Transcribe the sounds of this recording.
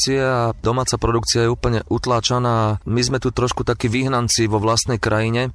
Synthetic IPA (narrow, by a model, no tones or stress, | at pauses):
t͡siɛaad̪ɔmaːt͡sapɾɔd̪ukt͡siajɛuːpl̩ɲɛʔut̪laːt͡ʃanaːmizmɛt̪ut̪ɾɔʃkut̪akiːʋiɦnant͡siʋɔʋlast̪nɛjkɾʔajiɲɛ